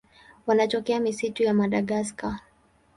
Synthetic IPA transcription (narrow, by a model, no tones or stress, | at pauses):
wanat͡ʃɔkɛamisitujamaɗaɠaska